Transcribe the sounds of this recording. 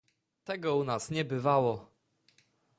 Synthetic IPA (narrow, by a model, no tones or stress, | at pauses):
t̪ɛɡɔunasɲɛbɘvawɔ